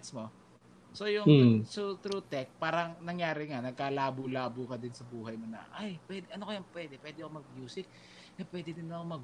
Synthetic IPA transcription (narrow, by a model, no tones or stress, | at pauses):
t̪smo̞ | so̞jʊŋsut̪ɾut̪ɛk̚paːɾɐŋnɐŋjaːɾɪŋanɐɡ̚kaːlaːbulaːbʊkɐd̪ɪnsɐbuːhɐjmonɐ̰ʔajpwɛːd̪ʔɐnokojɐŋpwɛːd̪ɛpwɛːd̪ɪɐkomɐɡ̚mjuːsɪk̚ | ʔɛpwɛːd̪ɪd̪ɪnɐkomɐɡ